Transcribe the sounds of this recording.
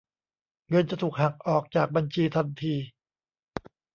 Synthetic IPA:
ŋɤ˧nt͡ɕa˨t̪ʰuː˨˩k̚ha˨˩k̚ʔɔː˨˩k̚t͡ɕaː˨˩k̚ba˧nt͡ɕʰiː˧t̪ʰa˧nt̪ʰiː˧

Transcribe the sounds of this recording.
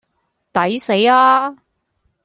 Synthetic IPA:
t̪ɐ˨˥jse˨˥jaː˧

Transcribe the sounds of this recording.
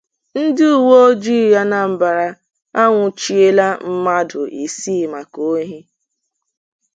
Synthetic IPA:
n̩˦dɪ˦u˨wo˦o˦d͡ʒi˦˨ja˦na˨m̩˨ba˨ɾa˦ | a˦ŋʷʊ˨t͡ʃi˦e˦la˦m̩˦ma˦dʊ˨ʔi˨si˦˨ma˨ko˦ɦi˦

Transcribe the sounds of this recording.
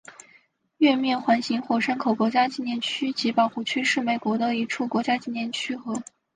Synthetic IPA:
ɥɛ˥˧mjɛ˥˩˧nxwa˧˥nɕi˧˥ŋxwɔ˥˩ʂə˥nkʰo˨˩ʊkwɔ˧˥t͡ɕja˥t͡ɕi˥˧njɛ˥˩nt͡ɕʰy˥t͡ɕi˧˥pɑ˨˩ʊxu˥˩t͡ɕʰy˥ʂɻ̩˥˩me˨˩ɪkwɔ˧˥d̪ə˧i˧˥ʈ͡ʂʰu˥˩kwɔ˧˥t͡ɕja˥t͡ɕi˥˧njɛ˥˩nt͡ɕʰy˥xɤ˧˥

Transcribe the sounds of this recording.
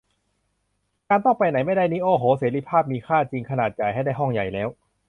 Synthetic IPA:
kaː˧nt̪ɔ˥˩ŋpa˧jna˩˦jma˥˩jda˥˩jniː˦˥ʔoː˧˩ɦoː˨˩˦seː˩˦ɾi˧˥pʰaː˥˩p̚miː˧kʰaː˥˩t͡ɕi˧ŋkʰa˧naː˨˩t̪̚ja˨˩jɦa˥˩jda˥˩ɦɔ˥˩ŋja˨˩jlɛː˦˥w

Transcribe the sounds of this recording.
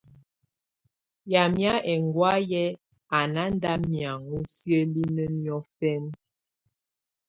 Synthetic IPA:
ja˨mja˦ʔɛ˨ŋɡwa˦jɛ˦ | a˨na˦n˦da˦mja˨ŋu˦sjə˦li˦nə˦njɔ˦fɛ˦n

